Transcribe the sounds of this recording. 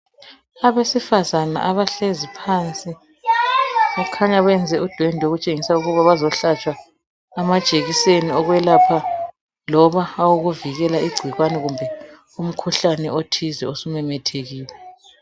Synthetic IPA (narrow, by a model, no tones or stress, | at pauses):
aβesifazana̰ʔaβaɬezipʰaːnt͡sʼi | akʰaɲaβɛnd͡zʱɛʔud̥ʱwendʱoɣut͡ʃʼeŋisauɣuβaβazɔɬat͡ʃʼwaː | mḁt͡ʃʼeɣiseniɔɣwɛlapʰa | lɔβaːwuɣuviɣɛlaiɡ͡ǀʱwiɣwanɛɣumbʱɛ | um̩kʰuɬanɛʔotʰizɛosumɛmɛtʰeɣiːlɛ